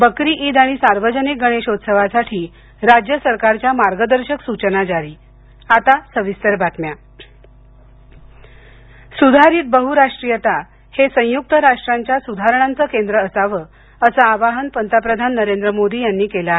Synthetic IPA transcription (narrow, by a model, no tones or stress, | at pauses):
bəkɾiːʔiːd̪aɽ̃isaɾʋəd͡ʑənik̚ɡəɽ̃eɕot̪səʋasaʈʰiː | ɾad͡ʑjəsəɾkaɾt͡ɕjamaɾɡəd̪əɾɕəksut͡ɕənat͡ɕaɾiː | at̪asəʋist̪əɾbat̪mja | sud̪ʱaɾiːt̪̚bəɦuɾaʂʈɾijət̪a | hesə̃juk̚t̪əɾaʂʈɾaɲt͡ɕjasud̪ʱaɾəɳ̃ant͡səkend̪ɾəːsaʋəː | əsaaʋaɦənpənt̪əpɾəd̪ʱanːəɾend̪ɾəmod̪ʱiːjanːiːkelaɦe